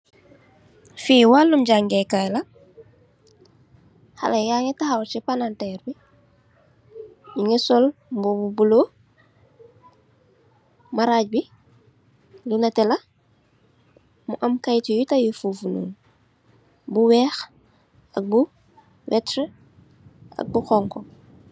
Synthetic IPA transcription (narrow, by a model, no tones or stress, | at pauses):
fiːwalːumɟaŋɡɛkajlɐ | xa̰lɐjaːŋɛtaxawt͡ʃipanantɛːɾbi | jiŋɛsɔlmbɔbubulo | maɾaːɟ̚bi | lunatɛlɐ | muʔɐmkajtijutajufuːfunṵːn | buwɛːx | ɐk̚bu | wɛtɾə | ɐ̰k̚buxɔŋkɔ